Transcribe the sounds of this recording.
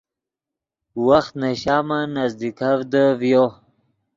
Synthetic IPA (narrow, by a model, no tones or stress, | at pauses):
waxt̪naɕaːmanazd̪ikʰavd̪əvjo